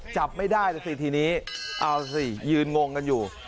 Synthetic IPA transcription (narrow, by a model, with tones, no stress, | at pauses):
t͡ɕa˨˩p̚ma˥˩jdaː˥˩jt̪ɛː˨˧˩si˨˩t̪ʰiː˧niː˦˥ʔa˧wsi˨˩jɯː˧nŋo˧ŋka˧njuː˨˩